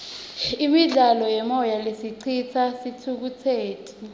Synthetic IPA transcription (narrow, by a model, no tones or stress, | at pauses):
imiɮalɔjɛmɔjalesiǀʰit͡sʰasitʰuk̬utʰeːtʰu̥